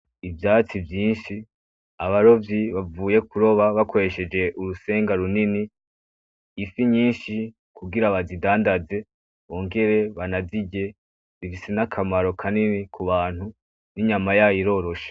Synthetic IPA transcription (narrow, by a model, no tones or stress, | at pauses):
ivjaːt͡sivjiːnʃi | aβaɾo̞vjiβavuːje̞kuɾo̞βaβakʰo̞ɾe̞ʃe̞d͡ʒe̞ʔuɾuse̞ːŋɡaɾunini | fiɲiːnʃi | kuɡiɾaβazidaːndaze̞ | βo̞ːŋɡe̞ɾe̞βanaziɟe̞ | zifise̞nakʰamaɾo̞kʰaninikuβaːn̥hu | niɲamajajiɾo̞ɾo̞ʃe̥